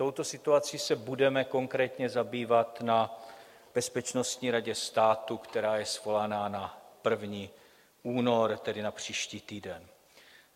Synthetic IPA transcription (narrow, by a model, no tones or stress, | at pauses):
t̪o̞wt̪o̞sɪt̪uat͡siːsɛbudɛmɛko̞ŋkɾɛːt̪ɲɛzabiːvat̪na | b̥ɛspɛt͡ʃno̞st̪ɲiːɾaɟɛst̪aːt̪ukt̪ɛɾaːjɛsvo̞lanaːnapr̩vɲiː | ʔuːno̞ɾt̪ɛdɪnapr̝̥iːʃciːt̪iːdɛn